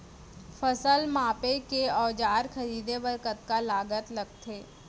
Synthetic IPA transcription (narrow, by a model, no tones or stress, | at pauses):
fəsəlmãːpekeɔːd͡ʒaːɾxɐɾiːd̪ebɐɾkət̪kalaːɡət̪lɐɡ̚t̪ʰeː